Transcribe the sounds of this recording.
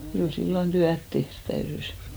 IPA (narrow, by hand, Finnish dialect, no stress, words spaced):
kyl silːon tyæt tehrt tæyrys